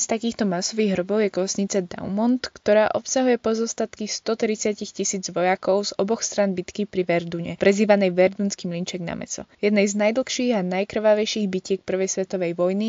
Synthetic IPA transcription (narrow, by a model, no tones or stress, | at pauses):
st̪akiːxt̪ɔmasɔʋiːɣɦrɔbɔʊjɛkɔsɲit͡sad̪a̰ʊmɔnt̪kt̪ɔɾaːʔɔpsaɦujɛpɔzɔst̪at̪kist̪ɔt̪ɾit͡sɪacixcisiːd͡zʋɔjakɔʊzɔbɔxst̪ɾanbit̪kipɾiʋɛɾd̪uɲɛpɾɛziːʋanɛjʋɛɾd̪unskiːmlint͡ʃɛɡna̰mɛ̰t͡sɔ̰jɛd̪nɛjznajd̪l̩xʃiːɣanajkr̩ʋaʋɛjʃiːɣbicɪɛk̚pr̩ʋɛjsʋɛt̪ɔʋɛjʋɔjni